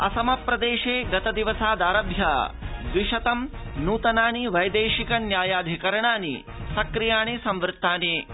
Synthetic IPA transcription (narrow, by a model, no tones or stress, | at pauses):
ɐ̰sɐmɐpɾɐd̪eːʃeːɡɐt̪ɐd̪iʋɐsaːd̪aːɾɐbʱjɐːd̪ʋiʃɐt̪ɐmnuːt̪ɐnaːniʋɐjd̪eːʃikɐnjaːjaːd̪ʱikɐɾɐɳaːnḭ | sɐkɾijaːɳisɐmʋɾɪt̪ːaːneː